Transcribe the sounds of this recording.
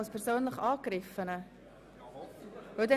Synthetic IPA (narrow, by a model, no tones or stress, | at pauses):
lspʰɛɾsøːnləχɑːkɾɪfənə | vɵldɛ